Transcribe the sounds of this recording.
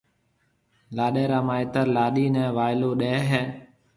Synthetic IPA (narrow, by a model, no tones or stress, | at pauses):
laːɗeːɾaːmãːɪt̪əɾlaːɗiːnɛ̃ːʋaːɪloːɗɛːɦɛː